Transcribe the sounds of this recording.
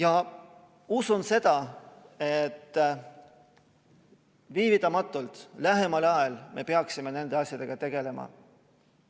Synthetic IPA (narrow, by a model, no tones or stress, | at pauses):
jɑ | usunse̞d̪̥ɑe̞t̪ː | viːvit̪ːˑɑmɑt̪ːˑult̪ˑlæɦe̞mɑlɑelme̞̰peɑksime̞ne̞nd̪e̞ɑsʲjɑd̪e̞ɡ̥ɑt̪e̞ɡ̥e̞le̞mɑ̰